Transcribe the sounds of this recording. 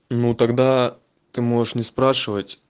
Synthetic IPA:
nut̪ɐɡd̪a | t̪ɨmo̞ʐɨʂnʲɪspɾaʂɨvətʲ

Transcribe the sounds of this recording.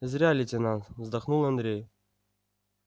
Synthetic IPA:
ɪzʲɾʲalʲɪt̪ʲɪnansvzd̪ɐχnulˠɐnd̪ɾʲej

